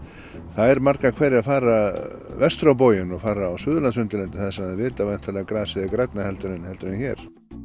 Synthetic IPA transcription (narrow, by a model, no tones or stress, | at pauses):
θaðɛɾmaɾkakʰvɛɾɪafaːɾa | vɛst̪ɾawp̬oːwjʏnɔɣfaːɾaːwsʏːðʏlant̪sʏnt̪ɪlɛnt̪ɪθaðsɛmaðɪvɪːt̪avajn̥t̪ʰaːlɛɣakɾaːsɪðɪkɾat̪nahɛlt̪ʏɾɪnhɛlt̪ʏɾnɪnçɛːɾ̥